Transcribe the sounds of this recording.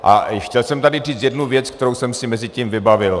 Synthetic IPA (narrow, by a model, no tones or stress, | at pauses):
ʔa̰xcɛlsɛmt̪adɪr̝iːt͡sjɛdnuvjɛt͡sk̚t̪ɛɾowsɛmsɪmɛzɪciːmvɪbavɪl